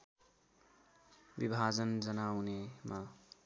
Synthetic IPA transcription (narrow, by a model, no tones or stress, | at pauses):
bibʱad͡zʌnd͡zʌnawnema